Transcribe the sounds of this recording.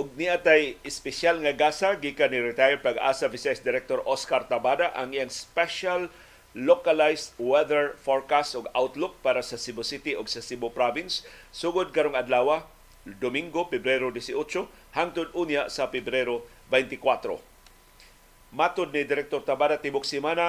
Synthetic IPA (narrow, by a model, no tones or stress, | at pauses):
ʔʊɡ̚niʔat̪ajɪspɪsalŋaɡasaɡiːkaniɾɪt̪ajɛɹ̚pɐɡa̰ːsavɪsajsd̪ɪɾɛk̚t̪oɾʔoskaɾt̪abad̪aʔa̰ŋijaŋspɛʃalː | okalajst̪wɛðɛɹfoɹkast̪ʊɡawt̪lʊk̚paːɾasɐsibʊsɪt̪ɪʊɡsɐsibʊpɾavɪnsːuɡʊd̪̚kɐɾoŋɐd̪laːwa | d̪omiŋɡopɛbɾɛɾod̪ɛsɪʔot͡ʃo | haŋt̪ʊd̪ʔuːnjasɐfɛbɾɛɾo | bɛjnt̪ɪkwat̪ɾo̰ | mat̪ʊd̪̚nɪd̪ɪɾɛk̚t̪oɾt̪abaːd̪at̪ɪbʊk̚simana